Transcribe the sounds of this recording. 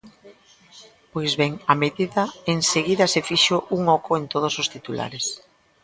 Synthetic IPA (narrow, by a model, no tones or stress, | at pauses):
pojzβɛŋɐmeðiðɐeŋseɣiðɐsefiʃoʔuŋɔkʊent̪oð̞ʊsost̪it̪ula̰ɾes